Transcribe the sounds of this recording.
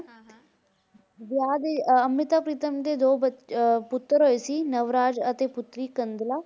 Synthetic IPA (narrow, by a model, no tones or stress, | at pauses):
ʋjaːd̪eəmɪt̪aːpɾiːt̪əmd̪eːd̪oːbəpʊt̪ːəɾɦoːeːsiːnəʋɾaːd͡ʒət̪eːpʊt̪ɾiːkənd̪laː